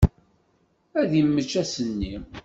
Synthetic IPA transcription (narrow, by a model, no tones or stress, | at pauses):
æðjəmːət͡ʃːæsənːi